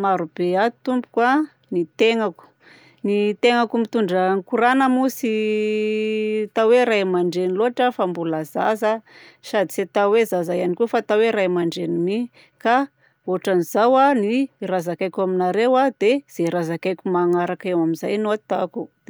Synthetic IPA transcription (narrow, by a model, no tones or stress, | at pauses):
maɾub̥eat̪umbu̥kwa | nit̪eŋaku̥ | nit̪eŋakumit̪uɳɖ͡ʐaŋkuɾanəmusi | t̪aweɾajmaɳɖ͡ʐeniloaʈ͡ʂafambulazazasad̪iset̪awezazajanikufat̪aweɾajmaɳɖ͡ʐenini | ka | oʈ͡ʂanizawanirazakajkʲaminaɾewad̪̥ez̥eɾazakajkʲumaŋaɾakewamiza̰jnoat̪akud̪̥